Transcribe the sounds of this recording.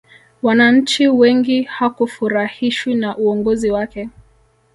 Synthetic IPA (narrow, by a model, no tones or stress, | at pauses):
wanaɲ̩t͡ʃiwɛŋɡihakufuɾahiʃwinaʔuɔŋɡɔziwakɛ